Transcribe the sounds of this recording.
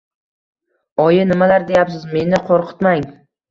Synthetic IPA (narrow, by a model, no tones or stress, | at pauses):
ɒjɪnɪmalaɾd̪e̞japsɪzme̞nɪqʰoɾqʰɨ̥t̪maŋ